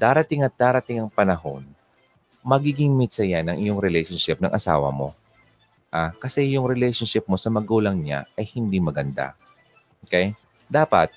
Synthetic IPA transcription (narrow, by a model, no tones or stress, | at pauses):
d̪̥aːɾɐt̪ɪŋɐt̪̚d̪aːɾɐt̪ɪŋɐŋpɐnɐɦo̞n | mɐɡiɡɪŋmɪt̪sɐjanɐŋʔɪjoŋɾɛlɛjʃonʃɪp̚nɐ̰ŋʔɐsa̰ːwɐ̰mo̞̰ | ʔakɐsɛjʊŋɾɛlɛjʃonʃɪp̚mo̞sɐmɐɡuːlɐŋɲa̰ʔɐjhɪnd̪imɐɡɐnd̪a̰ | ʔokɛj | d̪aːpɐ̰t̪̚